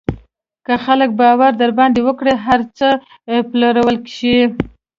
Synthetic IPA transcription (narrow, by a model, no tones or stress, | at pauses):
kəxalək̚bɑwaɾd̪aɾbɑnd̪ewəkɽeɦaɾt͡sə | plaɾawəlkʃi